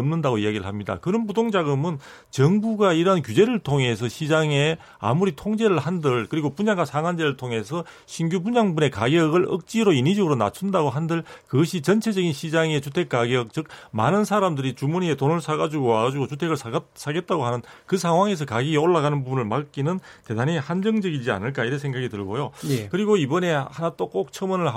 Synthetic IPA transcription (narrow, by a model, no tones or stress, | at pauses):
ʌmnɯndaɣoiaɡiɾɯɭɦamɲida̰kɯnɯnpudoŋd͡ʑaɡɯmɯn | t͡ɕʌŋbuɡaiɾʌɦankud͡ʑe̞ɾɯɭtʰoŋe̞sʰʌɕʰid͡ʑaŋe̞ | a̰muɾitʰoŋd͡ʑe̞ɾɯɭhandɯɭkɯɾiɡopuɲaŋɡasʰaŋwand͡ʑe̞ɾɯɭtʰoŋe̞sʰʌ | ɕʰinɡjubuɲaŋbune̞kaɡjʌɡɯɭʌ̰k̚t͡ɕ͈iɾoinid͡ʑʌɡɯɾona̰t͡ɕʰundaɡoɦandɯɭkɯɡʌɕʰit͡ɕʌnt͡ɕʰe̞d͡ʑʌɡinɕʰid͡ʑaŋet͡ɕutʰe̞k̚k͈aɡjʌk̚t͡ɕɯk̚ma̰nɯnsʰaɾamdɯɾit͡ɕumunietonɯɭsʰaɡad͡ʑuɡoaɡad͡ʑuɡot͡ɕutʰe̞ɡɯɭsʰasʰaɡe̞t̚t͈aɡoɦanɯnkɯsʰaŋɦwaŋe̞s̬ʰʌkaɡieoɭːaɣanɯnpubunɯɭmak͈inɯnte̞danihand͡ʑʌŋd͡ʑʌɡid͡ʑia̰nɯɭk̬͈aiɾʌnsʰe̞ŋɡaɡitɯɭɡojokɯɾiɡoibʌne̞hanat͈ok͈ok̚t͡ɕʰʌmʌnɯɭ